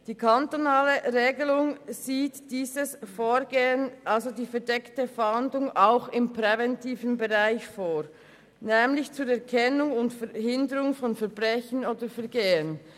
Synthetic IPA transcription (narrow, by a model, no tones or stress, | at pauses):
d̥iːkʰantonaːləʁeːɡəlʊŋz̥iːtd̥iːzəsfoːɾɡeːənʔalzodiːfɛɐdɛktəfɛhandlʊŋaʊxɪmpʁɛvɛntʰiːvənbeʁaɪçfoːɾ | nɛːmlɪçt͡suːɾɛɐkʰɛnʊŋʊntfɛɦɪndəɾʊŋfɔnfɛɐb̥ʁɛçənoːdəfɛɐɾɡeːən